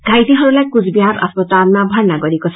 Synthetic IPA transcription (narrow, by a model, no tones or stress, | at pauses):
ɡ̥ʱajt̪iɦɔɾulajkud͡ʒbiɦaɾɔ̰sbɔt̪alnabʱaɹnaɡɔɾikɔt͡ʃʰ